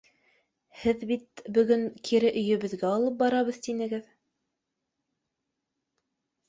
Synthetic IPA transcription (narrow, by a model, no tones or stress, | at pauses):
hɘðbit̪̚bɵ̆ɡɵŋkʰiɾɘʔɵ̆jɵ̆βɘ̆ðɡæɑlˠɤp̚bɑɾɑβɤðt̪inɘ̆ɡɘð